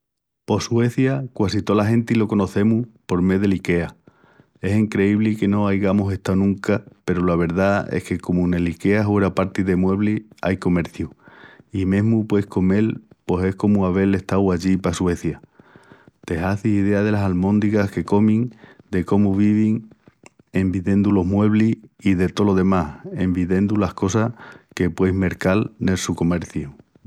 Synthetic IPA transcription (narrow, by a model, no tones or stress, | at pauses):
po̞swe̞θjakwasit̪o̞laɦẽ̞nt̪ilo̞ko̞no̞θe̞mupo̞ɾme̞ðe̞like̞a | e̞siŋkɾe̞iβlike̞no̞ajɣamuse̞ht̪anũŋkape̞ɾolaβe̞ɾðae̞̰hke̞ko̞mune̞like̞aɦweɾapaɾt̪iðe̞mwe̞βlia̰jko̞me̞ɾθjuimẽɦmupwe̞hko̞me̞lpwose̞hko̞muaβ̞e̞le̞ht̪awaʎipaswe̞θja | t̪e̞ɦaθisiðe̞aðe̞lasalmõ̞nd̪ikahke̞ko̞mĩŋd̪e̞ko̞muβiβiŋ | e̞mbiðe̞nd̪ulo̞ɦmwe̞β̞liiðe̞t̪o̞lo̞ðe̞mahe̞mbiðẽ̞nd̪ulahko̞sahke̞pweme̞ɾkalnelsuko̞me̞ɾθju